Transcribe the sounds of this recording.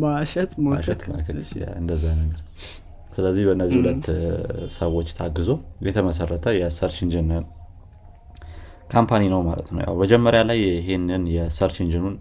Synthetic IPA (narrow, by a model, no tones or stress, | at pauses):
baʃɛt̪maaʃɛt̪ma̰kəa̰ɨnd̪əzːanəɡəɾ | sɨləzːihbəɨnːəzːihulət̪ːsəwo̞t͡ʃːt̪ʰaɡːɨzo̞jɛt̪ʰəməs̬ərːət̪ʰəjɛsəɾt͡ʃɪnd͡ʒɨnɨn | kʰampʰaninəwmalə̰t̪nə̰wja̰wbəd͡ʒɛmːəɾjalajɦenɨnjɛsəɾt͡ʃɪnd͡ʒɨnun